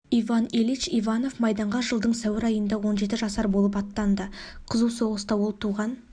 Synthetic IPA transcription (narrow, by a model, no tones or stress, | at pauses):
ivɑnelit͡ʃijvɑno̞fmɑjd̪ɑɴʁɑʒəlˠd̪əɴsæwɪɾɑjənd̪ɑwo̞nʒe̞t̪ɪʒɑsɑɾbolˠəpɑt̪ːɑnd̪əqʰəzuwso̞ʁəst̪ɑwolˠt̪ʰuʁɑn